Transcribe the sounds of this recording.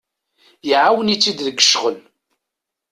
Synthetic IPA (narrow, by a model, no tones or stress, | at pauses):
jəʕawənit͡sːid̪ðəɡːə̥ʃʁəl